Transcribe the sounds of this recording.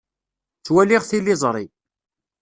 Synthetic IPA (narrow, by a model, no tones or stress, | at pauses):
t͡sːwælɪʁθilːɪzˤɾˤi